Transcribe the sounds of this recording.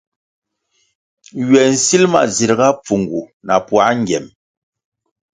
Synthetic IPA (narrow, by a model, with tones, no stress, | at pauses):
ɥɛ˨n̩˨si˦lma̰˨zi˨ɾɡa˦p͡fu˨ŋɡu˨na˨pwa˨˦ŋ˦ɡɛ˨m